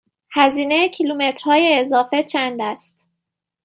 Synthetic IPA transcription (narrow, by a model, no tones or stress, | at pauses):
hæziːnecʰilumet̪ɾ̥hɒːjeːzɒːfe̞t͡ʃʰænd̪æst̪